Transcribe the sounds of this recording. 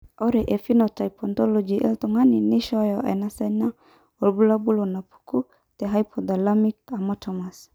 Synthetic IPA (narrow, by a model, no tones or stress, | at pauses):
ɔɾɛʔefinɔtaipɔnt̪ɔlɔd͡ʒiʔɛ̰lt̪ɔŋaniniʃɔjɔʔɛ̰nasana | ɔlbulabulonapu̥ku | t̪ɛɦajpʰɔd̪alamik̚amɔt̪ʰɔmas